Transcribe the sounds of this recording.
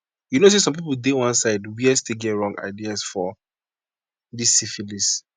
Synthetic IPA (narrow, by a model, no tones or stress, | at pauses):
junos̬esɔ̃mp̬ipuldewɔ̃nsaɪdwiɛsteɡɛtɹɔ̃ŋɡa̰ɪdiasfɔ | disːifilis